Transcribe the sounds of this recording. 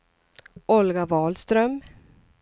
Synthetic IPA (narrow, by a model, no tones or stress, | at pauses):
ɔlɡavɑːlst̪ɾœm